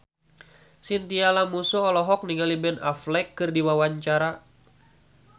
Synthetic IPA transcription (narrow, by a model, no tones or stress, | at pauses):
sint̪ialamusuɔlɔɦɔk̚niŋalibɛnaflɛkːɨrdiwawaɲt͡ʃaɾa